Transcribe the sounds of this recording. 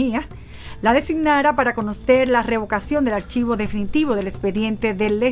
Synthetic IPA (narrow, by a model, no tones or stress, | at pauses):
ia | laðe̞siɡnaɾapaɾako̞no̞se̞ɾlare̞β̞o̞kasjond̪elaɾt͡ʃiβo̞ðe̞finit̪iβo̞ðe̞lekspe̞ðje̞nt̪e̞ðe̞lːe